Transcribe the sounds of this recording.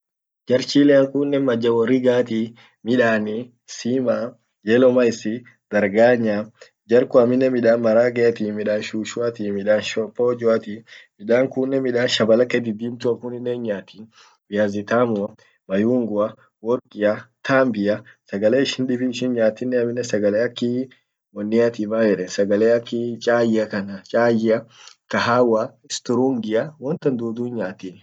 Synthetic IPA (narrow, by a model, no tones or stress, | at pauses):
d͡ʒɐɾt͡ʃiːlɛɐŋkuːnːɛmɐd͡ʒːɐwɔrːiɡaːt̪i | mɪᶑaːni | siːma | d͡ʒɛlɔmɐɪsɪ | d̪̥ɐɾɡaːɲːaː | d͡ʒɐɾkʊɐmɪnːɛmɪᶑaːnmɐɾaːɡɛɐt̪iːmɪᶑaːnʃuːʃʊat̪iːmɪᶑaːnʃɔpːoːd͡ʒʊɐt̪imɪɗaːŋkʊnːɛmɪᶑaːnʃɐbɐlɐkɛd̪ɪd̪iːmt̪ʊɐkʊnɪnːɛnɲaːt̪in | bɪjaːzɪt̪aːmʊɐ | mɐjuːŋɡʊɐ | wɔɾkʼɪjɐt̪ʰaːmbɪjɐsɐɡɐleːɪʃɪnɗɪbɪnɪʃɪnɲaːt̪ːɪnːɛɐmɪnːɛsɐɡɐleːɐkːi | mɔnːɪjat̪iːmaːd͡ʒɛᶑɛsɐɡɐleːɐkːit͡ʃʼaːjɪɐkɐnɐt͡ʃʼaːjɪɐkɐɦaːwaɪst̪ʊɾuŋɡɪɐwɔnt̪ɐnd̪uːd̪uːnɲaːt̪ɪːn